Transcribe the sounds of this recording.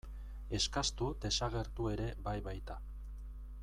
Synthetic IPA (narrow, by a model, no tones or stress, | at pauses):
e̞skast̪ud̪e̞saɣ̞e̞ɾt̪ue̞ɾe̞bajβajt̪a